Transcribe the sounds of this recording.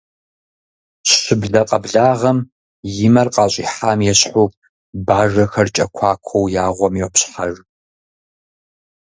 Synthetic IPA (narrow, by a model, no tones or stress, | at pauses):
ɕɕɪbɮɐqʼɐbɮaːʁɐm | jɪmɐrqʼɑːɕʼḭːħaːmjɛɕħuː | baːʐɐxɐrt͡ʃʼɐkʷʰaːkʷʰowjaːʁʷɔmjɛwpɕħaʐ